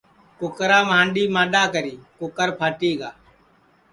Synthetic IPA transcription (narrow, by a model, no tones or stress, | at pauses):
kʊkɾaːməɦãːɳɗiːmãːɗaːkəɾiːkʊkəɾpʰaːʈiːɡaː